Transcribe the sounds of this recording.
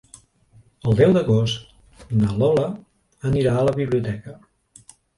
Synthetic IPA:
əlˠd̪ɛwd̪əɣost̪ | nalɔlə | əniɾaələβiβliut̪ɛkə

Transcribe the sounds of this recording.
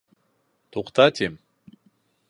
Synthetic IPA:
t̪uqt̪at̪ʲim

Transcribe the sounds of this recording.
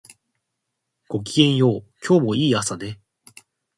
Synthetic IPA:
ɡ̥o̞k̬ʲiɡẽ̞ɰ̃jo̞ːkʲʰo̞ːmo̞iːasad̪e̞

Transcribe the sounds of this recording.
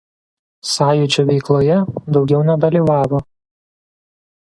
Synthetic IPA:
sɑːjʊt͡ʃʲoʋʲɛɪklˠoːjɛd̪ɒʊɡʲɛʊnʲɛd̪ɐlʲiːˑʋɑːʋoː

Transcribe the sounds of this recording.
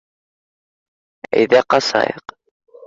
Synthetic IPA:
ḭðæqɑsˤɑ̰jq

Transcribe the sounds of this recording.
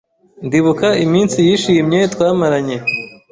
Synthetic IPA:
ndiβukaimiːnsijiːʃijimɲetwaːmaɾaɲe

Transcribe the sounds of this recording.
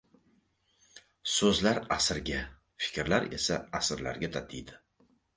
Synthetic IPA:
sɵzlaɾasɪɾɡʲa | fɪ̥kʲɾlaɾe̞̰sa̰asɪɾla̰ɾɡʲat̪ʰat̪ʰɪjd̪ɪ

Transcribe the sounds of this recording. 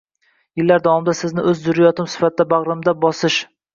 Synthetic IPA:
jɪlːaɾd̪awɒmɪd̪asɪznɪʔɵzd̪ʊɾajɒt̪ɪmsɪ̥fat̪̚ʰɪd̪abaʁɾɪmd̪abɒsɪʃ

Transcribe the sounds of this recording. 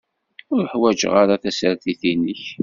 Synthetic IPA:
ʊɾəħwæd͡ʒə̰ʁaɾaθæsɾθiθinːəç

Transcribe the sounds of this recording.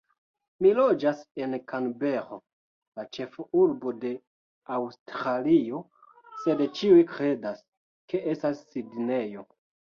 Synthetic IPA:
milo̞d͡ʒase̞nkaŋbe̞ɾo | lat͡ʃe̞fuɾbo̞de̞ | awstɾalio̞ | se̞dt͡ʃiujkɾe̞das | ke̞ʔestasːidne̞jo̞

